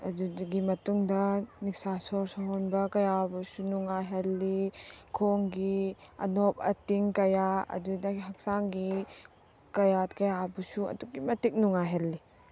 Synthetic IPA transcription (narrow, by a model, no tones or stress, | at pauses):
ɐdudɡimɐtuŋdɐnik̚sasɔɾsɔɦɔnbɐkɐjabusunuŋaɦelːikʰoŋɡiɐ̰nop̚ɐ̰tiŋkɐjaɐ̰dudɐiɦɐk̚saŋɡi | kɐjatkɐjabusuɐ̰duk̚ːimɐtik̚nuŋaɦelːi